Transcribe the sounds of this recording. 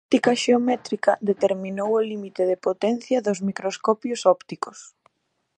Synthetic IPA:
t̪ikɐʃeomɛt̪ɾikɐðet̪eɾminowolimit̪eðepot̪ɛnθjɐðozmikɾoskɔpjʊsɔpt̪ikos

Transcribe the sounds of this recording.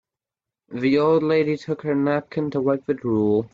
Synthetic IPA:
ðioʊlˠdˡleɪɾitʰʊkhə˞næp̚kʰɨ̃ntʰəwɛk̚ɨdɹulˠ

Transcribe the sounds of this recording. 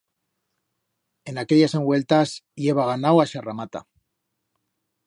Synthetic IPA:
e̞nake̞ʎase̞ŋɡwe̞lt̪asʝe̞β̞aɣ̞anawaʃaramat̪a̰

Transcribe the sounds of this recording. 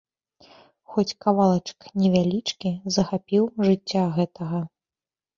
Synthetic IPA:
xɔt͡sʲkavalˠɐt͡ʂknʲɛvʲalʲit͡ʂkʲizɐxapʲiwʐɨt͡sʲːaɣɛt̪ɐɣɐ

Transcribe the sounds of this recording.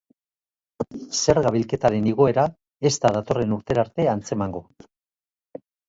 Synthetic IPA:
se̞ɾɣaβilke̞t̪aɾe̞niɣ̞o̞e̞ɾa | e̞st̪aðat̪o̞re̞nuɾt̪e̞ɾaɾt̪e̞ant͡se̞maŋɡo̞

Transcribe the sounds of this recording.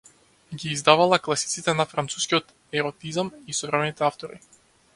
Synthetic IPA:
ɡiːzd̪avalˠaklˠasi̥t̪sit̪ɛnafɾant̪su̥skʲiɔt̪ | ɛɾɔt̪izamisɔvɾɛmɛnit̪ɛaft̪ɔɾi

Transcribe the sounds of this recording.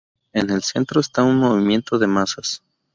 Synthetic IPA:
e̞ne̞lse̞nt̪ɾo̞est̪aunmo̞β̞imje̞nt̪o̞ðe̞masas

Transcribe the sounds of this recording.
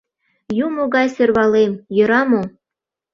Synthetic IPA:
jumoɣɑjsørβɑlemjø̆ɾɑmo

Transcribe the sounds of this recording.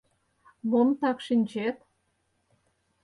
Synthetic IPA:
βont̪ɑkʃinʲt͡ɕet̪̚

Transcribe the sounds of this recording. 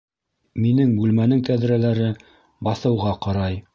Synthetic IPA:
minɘŋbʉlmænɘŋt̪æðɾælæɾɘ | bɑθɤ̆wʁɑqɑɾɑj

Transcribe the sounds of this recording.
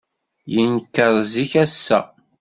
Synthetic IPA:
jənkːəɾˤziçæsːæ̰

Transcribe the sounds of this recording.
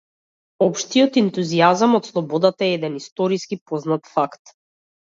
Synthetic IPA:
ɔpʃt̪ijɔt̪ɛnt̪uziazamɔt̪slˠɔbɔd̪at̪aɛɛd̪ɛnist̪ɔɾiskipɔznat̪fakt̪

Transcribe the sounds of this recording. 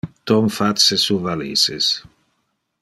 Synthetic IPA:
t̪ɔmfat̪sesuvalisḛs

